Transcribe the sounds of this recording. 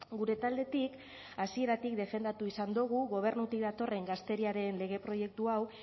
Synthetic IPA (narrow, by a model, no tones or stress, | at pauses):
ɡuɾe̞t̪ald̪e̞t̪ik | asie̞ɾat̪ikd̪e̞fe̞nd̪at̪uisand̪uɣ̞uɣo̞β̞e̞ɾnut̪ik̚d̪at̪o̞re̞ŋɡast̪e̞ɾiaɾe̞nle̞ɣ̞e̞pɾo̞je̞k̚t̪uaw